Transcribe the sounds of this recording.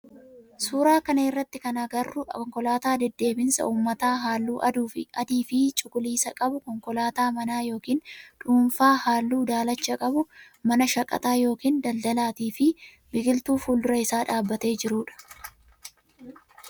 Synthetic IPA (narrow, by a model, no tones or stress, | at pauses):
suːɾaːkɐnɐɪrːɐt̪ːɪkɐnaɡɐrːʊɔŋkɔlaːt̪aːd̪ɛd̪ːe̞ːbɪnsɐ̰uːmːɐt̪aːɦaːlːuːʔɐd̪uːfɪ̰ʔɐd̪iːfɪt͡ʃʼʊkʼʊliːsɐkʼɐbʊkɔŋkɔlaːt̪aːmɐnaːjo̞ːkiːnᶑuːnfaːhaːlːuːd̪aːlɐt͡ʃːɐkʼɐbʊ | mɐnɐʃɐkʼːɐ̰t̪aːjo̞ːkiːnd̪ɐld̪ɐlaːt̪iːfɪ | bɪɡɪlt̪uːfuːld̪ʊɾɐɪsaːᶑaːbːɐt̪e̞ːd͡ʒɪɾuːᶑɐ̥